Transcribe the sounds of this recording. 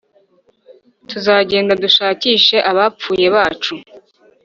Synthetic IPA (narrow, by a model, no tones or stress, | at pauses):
tuzaːɟe̞ːndaduʃaːciːʃe̞ʔaβap͡fuːje̞βaːt͡ʃu